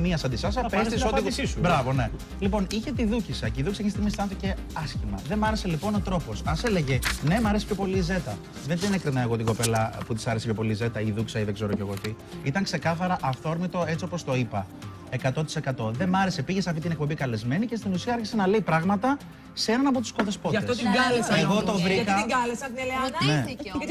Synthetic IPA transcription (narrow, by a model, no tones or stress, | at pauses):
miɐsɐnd̪isɐs̬ɐpest̪isobɾɐvo̞ne̞ | lipo̞niçe̞t̪iðucisɐceiðucisɐçest̪imisɐnθice̞ | ɐsçimɐðe̞mɐɾe̞se̞lipo̞no̞t̪ɾo̞po̞sɐse̞le̞ʝe̞ne̞mɐɾesi̥pço̞po̞liːze̞t̪ɐ | ðenðinekɾinɐeɣo̞t̪iŋɡo̞pe̞lɐput̪isɐɾsepço̞po̞lize̞t̪ɐiðuksɐiðeɡze̞ɾoce̞ɣo̞t̪i | it̪ɐŋkse̞kɐθɐɾɐʔɐfθo̞ɾmit̪oe̞t͡sio̞po̞st̪o̞ipɐ | e̞kɐt̪o̞t̪i̥se̞kɐt̪o̞ðe̞mɐɾe̞se̞piʝe̞sɐft̪it̪inek̚po̞bikɐle̞zme̞nice̞st̪inusiɐɐɾçise̞nɐleipɾɐɣmɐt̪ɐ | seenɐnɐp̬ot̪u̥skoðe̞spo̞ɐt̪oɡɐleseɣo̞t̪o̞vɾikɐɡɐlesɐt̪ieleɐne